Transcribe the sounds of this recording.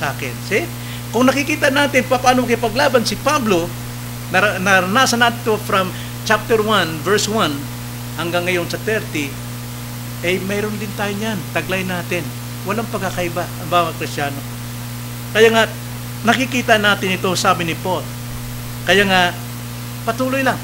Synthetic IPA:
saːkɪnsɪ | kʊŋnɐkɪkiːt̪ɐnaːt̪ɪnpɐpaːnokɪpɐɡlaːbansɪpablo̞ | nɐɾɐnɐɾɐnaːsɐnat̪ɪɪt̪ofɾɐm | t͡ʃap̚t̪ɛɾwanvɛɹswan | hɐŋɡaŋːɐjo̞nsɐt̪ɛɾt̪ɪ | ʔɐjmɛːɾond̪ɪnt̪aːjoɲant̪ɐɡlajnaːt̪ɪn | wɐlaŋpɐɡakɐʔɪbaɐmbaːwɐkɾɪstt͡ʃaːno̞ | kɐjaːŋa | nɐkɪkiːt̪ɐnaːt̪ɪnɪt̪o̞saːbɪnɪpot̪̚ | kɐjaːŋa | pɐt̪uːlojlaŋ

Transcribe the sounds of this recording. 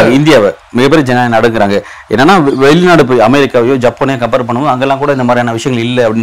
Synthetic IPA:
ɪnd̪ɪjaːʋɛ | mɪɣɐpːeɾɐd͡ʒɛnaːnɐɽɯŋɡɯɾaːŋɡɐ | ɛ̰nːɐnːaːʋɛlnaːɽɯpoɐmɛɾɪkːaːʋɐjoːd͡ʒaːpːoːnɪjekɐmpeːɾp̬ɐɳːɯmoðɯɐŋɡɐlːãːŋkuːɽɐɪnd̪ɐmaːd̪ɾiaːnɐʋɪʂɐjɐŋɐɪlːɛɐpːɐɽɪn

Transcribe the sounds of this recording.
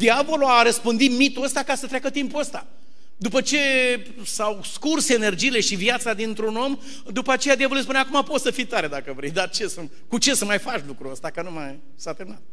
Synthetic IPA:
d̪iavo̞luaɾəspɨnd̪it̪mit̪uəst̪akasət̪ɾʲakət̪impuəst̪a | d̪upət͡ʃe̞ | sawskursene̞rd͡ʒijle̞ʃivjat̪sad̪int̪ɾuno̞m | d̪upəat͡ʃe̞jad̪iavoluespuneakumapo̞t̪səfit̪aɾe̞d̪akəvɾe̞jd̪at͡ʃe̞sə | kut͡ʃe̞səmajfat͡ʃlukɾuəst̪akənumaj | sat̪emnat̪

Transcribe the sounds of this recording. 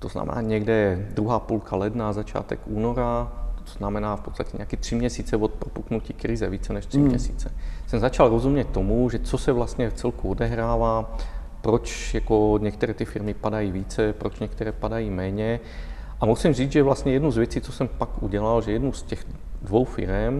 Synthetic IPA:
t̪ɔzna̰mɛ̰na̰ːɲɪɛɡd̪ɛɛd̪ɾuɦaːpulkʰalɛd̪naːzat͡ʃɪa̰t̪ɛ̰ɡuːnɔɾat̪o̥t̪ɔ̥znamɛnaːfpɔtt͡sst̪acɛɲɛ̰akɛt̪rimɲɛsiːt͡sɛʋɔt̪̚pɾopuknuciːkɾizɛʋiːt͡sɛɲɛʃt̪rimmɲɛ̰sḭːt͡sɛsɛmzat͡ʃalɾɔzumɲɛct̪ːɔmuʒɛt͡sɔsɛʋlast̪ɲɛft͡sɛlkuɔd̪ɛɦɾaːʋa | pɾɔt͡ʃjakɔɲɛk̚t̪ɛɾɛːt̪jɛfiɾmipad̪ajiːʋiːt͡sɛpɾɔt͡ʃɲɛk̚t̪ɛɾɛːpad̪ajiːmɛɲɛ | ʔamusimʒiːd͡zʒɛʋlast̪ɲɛjɛd̪nuzʋɛt͡siːt͡sɔsɛmpakṵɟɛlalʒɛjɛd̪nust̪ɛx | d̪ʋɔwfḭɾɛm

